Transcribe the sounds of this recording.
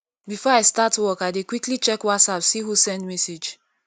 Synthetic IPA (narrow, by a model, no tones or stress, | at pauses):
bifɔaɪstatwɔkaɪdekwiklit͡ʃɛkwatsapsiɦusɛ̃ndmɛsed͡ʒ